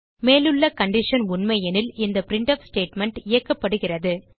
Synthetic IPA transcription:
meːlɯɭːɐkɐɳɖɪʂɐnʊnmɐjɐnɪlɪnd̪ɐpɪɾɪɳʈɐfsʈeːʈmɛɳʈɪjɐkːɐpːɐɽɯɣɪrɐðɯ

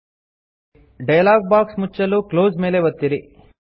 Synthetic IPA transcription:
ɖɐjɐlaːɡ̚baːksmut͡ʃːɐluklo̞ːzme̞ːle̞ʋɐt̪ːiɾi

